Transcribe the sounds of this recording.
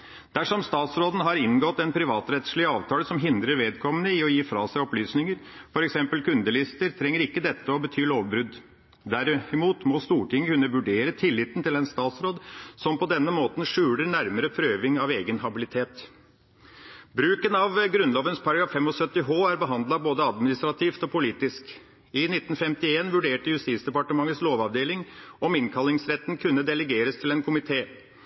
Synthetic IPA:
d̪̥æʂɔmst̪ɑːt̪sɾoːd̪ən̩ɦɑɾɪnɡɔt̪ːɛnpʰɾɪʋɑːt̪ɾɛt̪ʂɭɪəɑːʋt̪ʰɑːləsɔmɦɪnd̪ɾəɾʋeːd̪̚kʰɔmənəɪɔjiːfɾɑ̰ːsæɪɔplyːsnɪŋəɾfɔɾɛksɛmpəlkʉnd̪əlɪst̪əɾt̪ʰɾɛŋːəɾɪkːəd̪ɛt̪ːəɔbət̪ʰyːloːʋbɾʉd̪ | d̪æɾɪmuːt̪mɔst̪uːʈɪŋːəkʉnːəʋʉɖeːɾət̪ʰɪlːɪt̪nt̪ɪlɛnst̪ɑːt̪sɾoːd̪sɔmpɔd̪ɛnːəmoːt̪n̩ʂʉːləɳæɾməɾəpʰɾøːʋɪŋɑʋeːɡənɦɑbɪlɪt̪ʰeːt̪ | bɾʉːkənɑʋɡɾʉnloːʋənspʰɑɾɡɑfɛmɔsœt̪ːɪɦoːæɾbəɦɑnd̪lɑboːd̪əɑd̪mɪnɪst̪ɾɑt̪ʰiːft̪ɔpʰʊliːt̪ɪsk | ɪnɪt̪ːn̩fɛmt̪ɪeːnʋʉɖeːʈəjʉst̪iːt̪sd̪ɛpɑʈəmɑŋət̪sloːʋɑʋd̪eːlɪŋɔmɪnkʰɑlːɪŋsɾɛt̪nkʰʉnːəd̪ɛləɡeːɾəst̪ʰɪlɛnkʰʊmɪt̪ʰeː

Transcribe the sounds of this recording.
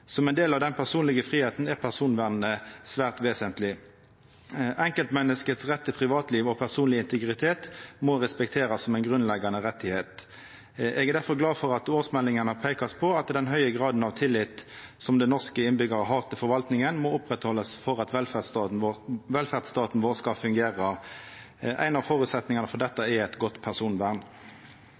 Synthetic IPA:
sɔmɛɪnd̪eːlɑʋd̪ɛnpʰæʁsuːnlɪɡəfʁiːheːt̪n̩ɛʁpʰæʁsuːnʋæʁnnəsʋæːʁt̪ʋeːsənt̪lɪ | ʔɛŋkəlt̪mɛnːəskət̪sʁɛt̪ːəpʰʁɪʋɑːt̪liːʋɔpʰæʁsuːnlɪɪnt̪əɡʁɪt̪ʰeːt̪mɔʁɛspɛkt̪ʰeːʁɑsːɔmɛɪnɡʁʉnlɛɡɑnəʁɛt̪ːɪheːt̪ | ʔɛɡæʁd̪æʁfɔʁɡlɑːfɔʁɑt̪oːʁsmɛlːɪŋənəpʰeɪkɑspʰɔɑt̪d̪ɛnɦœʏəɡʁɑːd̪n̩ɑʋt̪ʰɪlːɪt̪sɔmd̪ɛnɔʁskəɪnbʏɡəʁəɦɑːʁt̪ʰɪlfɔʁʋɑlt̪nɪŋənmɔʊpʁɛt̪hɔlːəsfɔʁɑt̪ʋɛlfæ | ʋɛlfæʁd̪st̪ɑːt̪n̩ʋoːʁskɑfʉŋɡeːʁə | ʔæ̰ɪnɑʋfɔːʁʉt̪sɛt̪nɪŋɑnəfɔʁd̪ɛt̪ːəɛæɪt̪ɡɔt̪ːpʰæʁsuːnbæːʁn

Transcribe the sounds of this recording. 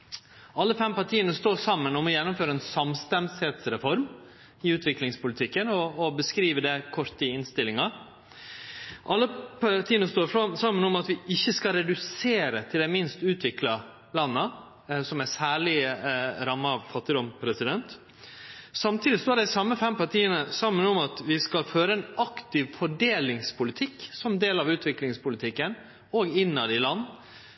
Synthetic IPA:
ʔɑlːəfɛmpɑʈʰiːənəst̪oːʂɑmːənɔmɔjɛnːʊmføːɾəɛːnsɑmst̪ɛnshɛːt̪sɾɛfɔɾm | ɪʉːt̪ʰʋɪklɪŋspʊlɪt̪ʰɪkːənɔːbəskɾiːʋəɖɛkʰɔɾt̪ɪɪnst̪ɪlːɪŋɑ | ʔɑlːəpʰɑʈʰiːənəst̪oːɾfɑmsɑmːənɔmɑt̪ʋɪɪçːəskɑɾɛd̪ʉseːɾət̪ʰɪld̪ɛmɪnst̪ʉːt̪ʰʋɪklɑ | lɑnːə | sɔmæsæːɭɪɾɑmːəɑʋfɑt̪ːɪd̪ɔmpʰɾɛsɪd̪ɛnt̪ | sɑmt̪ʰiːd̪ɪst̪ːɖɛsɑmːəfɛmpɑʈʰiːənəsɑmːənɔmɑt̪ʋɪskɑlføːɾəɛnɑkt̪ɪʋfɔɖeːlɪŋspʰʊlɪt̪ʰɪksɔmd̪eːlɑʋʉːt̪ʰʋɪklɪŋspʊlɪt̪ʰɪkːən | oːɡɪnːɑd̪ɪlɑnː

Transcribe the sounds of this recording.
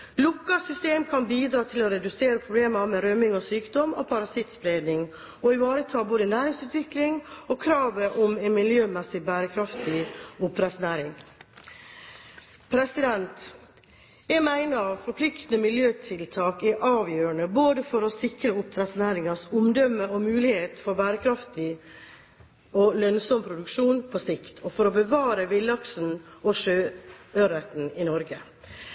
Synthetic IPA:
lʊkːɑsʏst̪eːmkʰɑnbiːd̪ɾɑːt̪ʰɪlɔɾɛd̪ʉseːɾəpʰɾʊbleːmɑmɛɾœmɪŋɔsyːkd̪ɔmɔ̰pʰɑɾɑsɪt̪spɾeːd̪nɪŋ | ɔɪʋɑːɾət̪ʰɑːboːd̪ənæːɾɪŋsʉːt̪ʰʋɪklɪŋokʰɾɑːʋəʔɔmɛnmɪljøːmɛsɪbæːɾəkʰɾɑft̪ɪʊpɾæsʊnæːɾɪŋ | pʰɾɛsɪd̪ɛnt̪ | ɛmæɪnəɑʋfɔɾpʰlɪkt̪nəmɪljøːt̪ʰɪlt̪ʰɑːkɛʔɑːʋjøːɾəɳəboːd̪əfɔɾɔsɪkɾəʊpɾæsnæːɾɪŋɑsʊmd̪œmːəɔmʉːlɪheːt̪fɔɾbæːɾəkʰɾɑft̪ɪ | ɔlœnsɔmpʰɾʊd̪ʉkʂuːnpʰɔːsɪkt̪ʰɔfɔɾɔbəʋɑːɾəʋɪlːɑksn̩ʔɔʂøːœɾɛt̪n̩ɪnɔɾɡə

